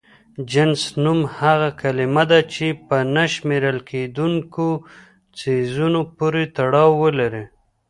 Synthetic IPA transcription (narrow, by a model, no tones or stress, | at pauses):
d͡ʒansnumhaɣakalɪmad̪at͡ʃepənaʃmeɾəlked̪uŋko | t͡sezunopoɾet̪aɽɑwːəlaɾe